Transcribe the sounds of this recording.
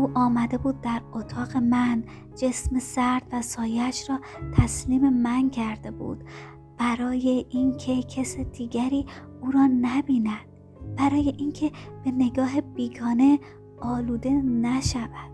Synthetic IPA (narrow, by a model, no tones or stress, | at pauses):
ʔuːʔɒːmæd̪e̞buːd̪̚ːæɾot̪ʰɒːɣe̞mæn | d͡ʒe̞smesæɾd̪væsɒːjeæʃɾɒːt̪ʰæsliːme̞mæncʰæɾd̪e̞bṵːd̪̥ | b̥æɾɒːje̞ʔinkʰe̞cʰesed̪̥iːɡæɾiː | uːɾɒːnæbiːnæd̪̥̚ | b̥æɾɒːje̞ʔiːnkʰe̞b̥e̞ne̞ɡɒːɦebiːɡɒːne̞ | ɒːluːd̪e̞næʃævæd̪̥